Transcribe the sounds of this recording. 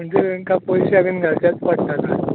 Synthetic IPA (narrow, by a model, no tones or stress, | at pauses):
m̤əɳd͡zeʋeŋkapojɕaʋiːnɡʱaɾt͡ɕjat͡spəɽt̪at̪a